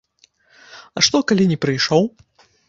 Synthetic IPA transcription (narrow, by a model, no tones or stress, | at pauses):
ɐʂt̪ɔkalʲinʲɛpɾɨjʂɔw